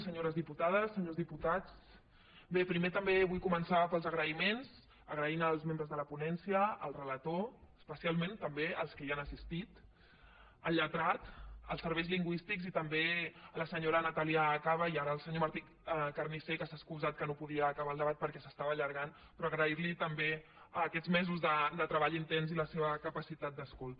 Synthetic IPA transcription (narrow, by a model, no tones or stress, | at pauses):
səɲoɾəzðiput̪að̞əsːəɲozðiput̪at͡s | bepɾimet̪əmbeβujkumənsaβəpəlˠzəɣɾəimenz̥ | əɣɾəinəlˠzmẽmbɾəzðələpunɛnsiə̰ːlˠrələt̪oəspəsialˠmẽnt̪əmbeəlˠskəianəsist̪it̪ | əʎət̪ɾat̪əlˠsəɾβɛjzliŋɡwist̪ikzit̪əmbeləsəɲoɾənət̪aliaːkaβəiaɾəːlˠsəɲomaɾt̪i | kərnisekəsaskuzat̪̚kənopuðiəːkəβalˠd̪əβ̞at̪̚pəɾkɛsəst̪aβəʎəɾɣan | pɾɔːɣɾəiɾlit̪əmbe | əkɛdzmɛzuzðəd̪ət̪ɾəβaʎint̪ɛnziləseβəkəpəsit̪at̪̚d̪əskolˠt̪